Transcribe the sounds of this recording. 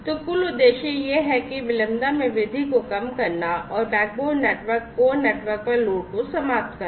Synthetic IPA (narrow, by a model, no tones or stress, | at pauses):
t̪okʊlʊd̪ːeːʃejeɦɛkiʋɪlə̃md̪amẽʋɪd̪ʱikokɐmkɐɾnaɔːɾbɛːk̚boːneːʈʋəɾkːoneːʈʋəɾk̚pɐɾloːʈkosɐmaːp̚t̪kəɾ